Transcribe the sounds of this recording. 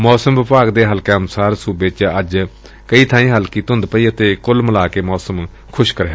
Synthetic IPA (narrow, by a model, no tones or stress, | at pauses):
mɔːsəmʋɪpaːɡd̪eːɦəlkeːnʊsaːɾsuːbeːt͡ʃəd͡ʒ | kəiːt̪ʰãːĩːɦəlkiːt̪ɦʊ̃nd̪pəiːət̪eːkʊlməlaːkeːmɔːsəm | kʰʊʃkəɾeː